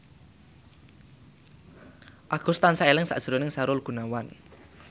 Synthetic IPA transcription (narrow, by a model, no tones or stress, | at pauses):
ʔaɡ̥ust̪ansaelɪŋsa̰ʔd̥ʒ̥əɾonɪŋsaɾʊlɡ̥ṳnawan